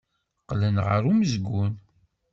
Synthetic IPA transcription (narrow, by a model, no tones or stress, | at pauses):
qːlənʁə̰ɾuməzɡʷun